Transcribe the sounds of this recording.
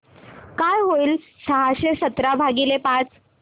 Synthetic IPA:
kajɦoiːl | səɦaɕesət̪ɾabʱaɡilepat͡s

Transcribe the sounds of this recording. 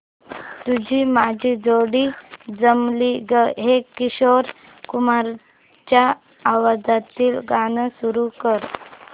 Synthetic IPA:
t̪ud͡ʑʱiːmad͡ʑʱiːd͡zoɽiːd͡zəmliɡəɦekiɕoɾ | kumaɾ | t͡ɕjaː | ʋad͡zat̪iːlɡanəsuɾukəɾ

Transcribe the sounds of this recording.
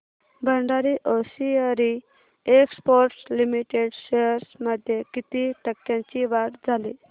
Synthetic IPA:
bəɳɖaɾiʔɔsiəɾi | ekspoɾʈslimiʈeɽɕeɾsməd̪ʱjekit̪iʈʰəkːjãɲt͡ɕiʋaʈd͡zʱali

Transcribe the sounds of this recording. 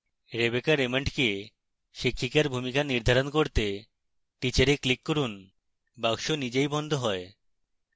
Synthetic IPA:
ɾebekaɾemeɳʈke | ʃikʰːikaɾbʱumikaniɾd̪ʱaɾonkoɾt̪e | ʈit͡ɕaɾeklikːoɾun | baɡʃonid͡ʑejbɔnd̪ʱoɦɔe

